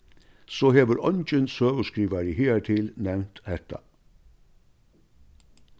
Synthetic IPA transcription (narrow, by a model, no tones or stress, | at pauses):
soːheːʋəɾɔnd͡ʒənsøːʋəskɾiːʋaɾɪheːt̪ʰɪlnɛʋnt̪hɛt̪ɑ̰